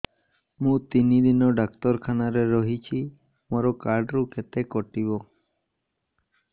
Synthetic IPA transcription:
mũt̪inid̪inɔɖak̚t̪ɔɾkʰanaɾeɾɔɦit͡ʃʰi | mɔɾɔkaɾɖɾukʰet̪ekɔʈiβɔ

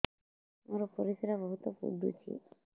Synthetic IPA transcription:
moɾɔpɔɾisiɾabɔɦut̪ɔpṵɖṵt͡ʃʰḭ

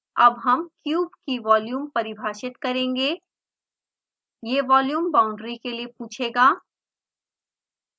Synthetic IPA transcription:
ɐbɦɐmkjuːbkiʋɔːljuːmpɐɾɪbʱaːʃɪt̪kɐɾẽːŋɡeː | jeːʋɔːljuːmbãːʊ̃ɳɖɾikeliepuːt͡ʃʰeːɡaː

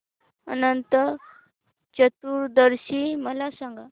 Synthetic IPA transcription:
ə̰nənt̪ə | t͡ɕət̪uɾd̪əɾɕiməlasãŋɡa

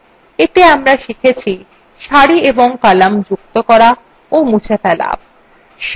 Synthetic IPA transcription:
et̪eamɾaʃikʰet͡ɕʰi | ʃaɽieboŋkalamd͡ʑuk̚t̪okɔɾa | omut͡ɕʰefɛla̰ | ʃ

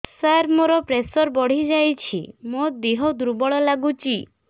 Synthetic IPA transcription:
saɾmoɾɔpɾesɔɾbɔɽ̤id͡ʒajt͡ʃʰḭmod̪eɦɔd̪uɾbɔɭɔlaɡut͡ʃi

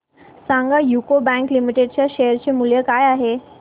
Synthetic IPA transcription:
sãŋɡajukobɛ̃ŋklimiʈeɖt͡ɕjaɕejəɾt͡ɕemuljəkajaɦe

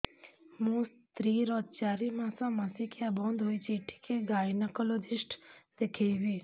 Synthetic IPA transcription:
mũːs | t̪ɾiːɾɔd̪̚t͡ʃaːɾimãsãməsikiabɔ̃ːnd̪ɦoːit͡ʃiːʈʰi̥keɡaːjnəkəlod̪ɪʃʈd̪ekʰejʋiː

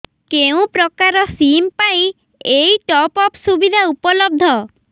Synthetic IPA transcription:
keũpɾɔkaɾɔsimpaj̃ | ejʈɔpɔpsubid̪ʱaupɔlɔb̚d̪ʱɔ

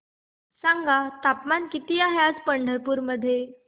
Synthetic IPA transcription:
saŋɡat̪apmankit̪iaɦjad͡zpəɳɖʱəɾpuɾməd̪ʱːje

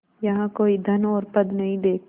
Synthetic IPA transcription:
jɐɦãkoːid̪ʱɐnɔːɾpɐd̪nɐɦĩd̪eːk̚

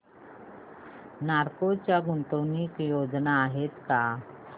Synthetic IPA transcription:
naɾkot͡ɕjaɡunt̪əwniːkjod͡znaːɦet̪ka

